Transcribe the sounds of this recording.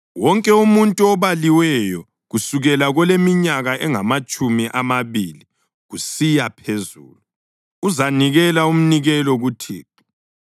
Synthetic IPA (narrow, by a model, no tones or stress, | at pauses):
wɔŋkʼɛumuntʼuɔβaliwɛjɔ | ɣusuɣɛlaɣɔlemiɲaɣaʔɛŋamat͡ʃʼumiʔamaβili | ɣusijapʰezṵːlu | uzaniɣɛlaum̩niɣɛlɔɣutʰḭːǃi